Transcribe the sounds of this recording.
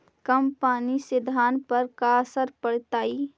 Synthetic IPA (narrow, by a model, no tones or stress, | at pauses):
kəmpaːnisɪd̪ʱaːnpəɾkasəɾpəɽ̤t̪aːi